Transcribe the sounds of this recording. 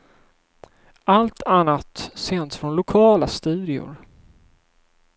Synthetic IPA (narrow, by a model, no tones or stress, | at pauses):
alt̪ʰanːat̪seːnt̪sfɾɔnlʊkʰɑːlast̪ʉ̟ːd̪ɪʊ̰ɾ